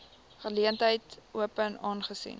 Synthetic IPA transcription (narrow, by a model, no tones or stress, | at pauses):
χəliəntɦəjtʔuəpənɑːnχəsḭn